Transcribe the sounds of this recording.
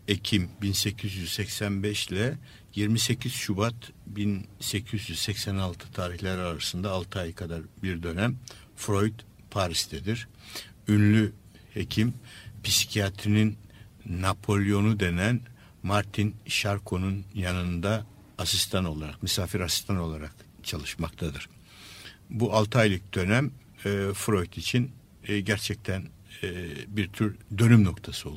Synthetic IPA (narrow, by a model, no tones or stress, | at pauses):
ecʰimbinse̞cʰizjyzsɛcsænbɛʃlʲɛ | jiɾmise̞cʰiz̥ʃubat̪binse̞cʰizjyz̥sɛcsænalˠt̪ʰɯ̥t̪ʰaːɾiçlʲæɾaɾasɯnd̪aːlˠt̪ʰɯajɯkʰad̪aɾbiɾd̪ø̞næm | fɾo̞jd̪ | pʰaɾisd̪ʰɛd̪iɾ̥ | ynlʲy | hecʰimpisi̥cʰijat̪ʰɾininː | apʰo̞lʲijo̞nud̪e̞næn | maɾt̪ʰinʃaɾkʰo̞nunjanɯnd̪aː | sist̪ʰano̞lˠaɾakmysaːfiɾasi̥st̪ʰano̞lˠaɾakt͡ʃʰalˠɯʃmakt̪ʰad̪ɯɾ̥ | bualˠt̪ʰajlʲˠic̚d̪ø̞næmː | fɾo̞jt̪it͡ʃʰin | ɟæɾt͡ʃʰɛc̚t̪ʰæn | biɾt̪ʰyɾd̪ø̞nymno̞kt̪ʰasɯo̞lˠ